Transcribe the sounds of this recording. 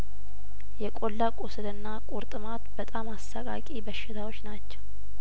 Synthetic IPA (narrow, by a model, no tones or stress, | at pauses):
jɛkʼolːakʼosɨlɨnːakʼuɾt̪ʼɨmat̪bət̪ʼamasːakʼa̰kʼibəʃːɪt̪ʰawo̞t͡ʃːnat͡ʃːɛw